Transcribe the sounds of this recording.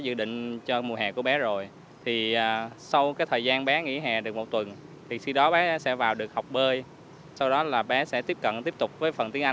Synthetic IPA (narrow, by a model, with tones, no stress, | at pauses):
zɨ̰˧˨ɗḭ̈˧˨ŋ̟t͡ɕɔ˧mu˨˩əɦɛ̰˨˩ku˧˩əɓɛ˨˦zo˨˩j | t̪ʰi˨˩əː˨˩sa˧wkaː˨˦jt̪ʰəː˨˩jzaː˧nɓɛ˨˦ŋḭ˧˥ɦɛ̰˨˩ɗɨ˨˩ək̚mo˨˩t̚t̪wə˨˩n | t̪ʰi˨˩xi˧ɗɔ˨˦ɓɛ˨˦sɛ̰˧˥vaː˨˩wɗɨ˨˩ək̚ha˨˩wk͡p̚ɓəː˧j | sa˧wɗɔ˨˦laː˨˩ɓɛ˨˦sɛ̰˧˥t̪i˦˥əp̚kə̰˧˨nt̪i˦˥əp̚t̪ʊ˨˩k͡p̚vəː˨˦jfə˨˩nt̪i˨˦əŋʔa˧